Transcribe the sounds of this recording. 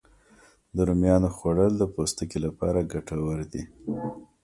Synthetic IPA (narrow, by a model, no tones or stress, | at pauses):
d̪əɾumjɑnoxwaɽəld̪əpost̪əkelapɑ̰ɾaɡaʈawəɾd̪i